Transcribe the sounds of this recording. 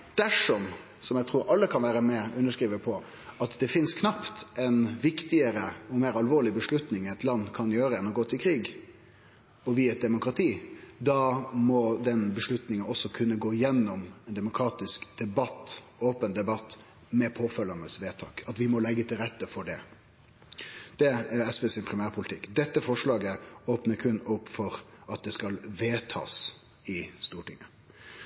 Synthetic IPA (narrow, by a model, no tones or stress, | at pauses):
d̪̥æʂɔm | sɔmjɛt̪ʰɾuːɾʔɑlːəkʰɑnʋæːɾəmɛʉnːəʂkɾiːʋəpʰɔ | ɑt̪d̪ɛfɪnskʰnɑpt̪ʔɛnʋɪkt̪ɪəɾəɔmeːɾɑlʋoːɾɭɪbəʂlʉt̪nɪŋɛɪt̪lɑnːkʰɑnjøːɾəɛnːɔɡoːt̪ʰɪlkʰɾiːɡ | ɔʋɪɛt̪̚d̪ɛmʊkɾɑt̪ʰiːd̪ɑːmɔd̪ɛnbəʂlʉt̪nɪŋənɔsɔkʰʉnːəɡoːɪjɛnːɔmɛnd̪ɛmʊkʰɾɑːt̪ɪskd̪̥ɛbɑt̪ːoːpənd̪ɛbɑt̪ː | mɛpʰoːfœlːɑnəsʋeːt̪ʰɑːkɑt̪ʋɪmɔlɛɡːət̪ʰɪlɾɛt̪ːəfɔɖɛ | d̪̥ɛæɾɛsʋeːsɪnpʰɾɪmæːɾpʰʊlɪt̪ʰɪkːd̪ɛt̪ːəfɔʂlɑːɡəoːpnəɾkʰʉnʊpːfɔɾɑt̪̚d̪ɛskɑlʋeːt̪ʰɑ̰ːs | ɪst̪uːʈɪŋːə